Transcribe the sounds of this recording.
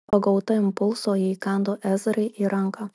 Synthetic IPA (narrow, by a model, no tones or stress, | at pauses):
ɐɡɐʊt̪ɐɪmpʊlˠsoːjikɑnd̪oːʔæːzɾɐɪʔiːɾɐŋkɐ